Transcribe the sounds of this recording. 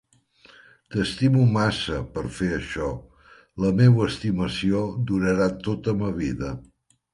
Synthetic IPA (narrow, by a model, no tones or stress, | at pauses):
t̪əst̪imumasəpəɾfeəʃɔ | ləmewəːst̪iməsiod̪uɾəɾat̪ot̪əməβiðə